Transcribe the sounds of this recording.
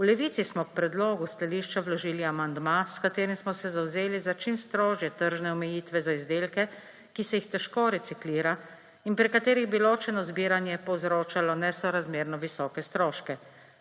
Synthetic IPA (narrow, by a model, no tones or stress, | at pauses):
ulɛʋiːt̪sismɔk̚pɾɛd̪lɔːɡust̪aliʃt͡ʃawlɔʒiːliamand̪maskat̪eːɾimsmɔsɛzawzeːlizat͡ʃimst̪ɾoːʒjɛt̪əɾʒnɛɔmɛjiːt̪ʋɛzaizd̪elkɛ | kisɛjixt̪ɛʃkoɾɛt̪sikliːɾa | inpɾikat̪eːɾiɣbiloːt͡ʃɛnɔzbiːɾanjɛpɔwzɾoːt͡ʃalɔnɛsɔɾazmeːɾnɔʋisɔːkɛst̪ɾɔːʃkɛ